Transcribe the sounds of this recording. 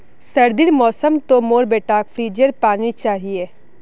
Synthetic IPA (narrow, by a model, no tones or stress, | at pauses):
sɐɾd̪iɾmɔːsəmt̪omoːɾbeːʈaːkfʰɾiːd͡ʒəɾpaːnnit͡ʃaːɦieː